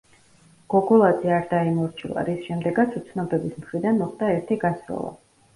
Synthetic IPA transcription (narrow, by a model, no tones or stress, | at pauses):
ɡ̥ɔɡɔlˠad̪ziaɾd̪aimɔɾt͡ʃʰilˠa̰ɾisʃɛmd̪ɛɡat̪sʰut̪sʰnɔbɛbismχɾid̪anmɔχd̪aɛɾt̪ʰiɡasɾɔ̰lˠa̰